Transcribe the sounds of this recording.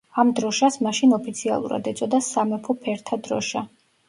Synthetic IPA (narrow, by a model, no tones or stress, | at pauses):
amd̪ɾɔʃasmaʃinɔpʰit̪sʰia̰lˠṵɾa̰d̪ɛt̪sʼɔd̪asamɛpʰɔpʰɛɾt̪ʰad̪ɾɔ̰ʃa